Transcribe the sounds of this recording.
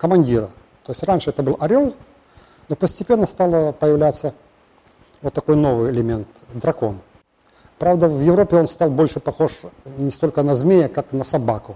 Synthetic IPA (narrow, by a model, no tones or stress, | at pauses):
kəmɐnʲdʲiɾə | t̪oɪsʲtʲranʲʂɨɛt̪əbɨlˠʔɐɾʲolˠ | no̞pəsʲtʲɪpʲe̞nːəst̪alˠəpəjɪvlʲæt̪sːə | vot̪ːɐko̞jno̞vɨjɪlʲɪmʲe̞nt̪ | d̪ɾɐko̞n | pɾavd̪əvjɪvɾo̞pʲɪo̞nst̪alˠbo̞lʲʂɨpɐxo̞ʂnʲɪst̪o̞lʲkənɐzmʲejəkaknəsɐbakʊ